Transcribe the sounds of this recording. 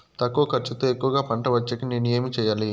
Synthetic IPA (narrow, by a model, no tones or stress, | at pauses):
t̪ɐkːoɐkʰɐɾt͡ʃːit̪ɐekːuʋɐɡaːpɐɳʈɐʋɐt͡ʃːɐkine̞ːnueːmit͡ʃɛːjaːli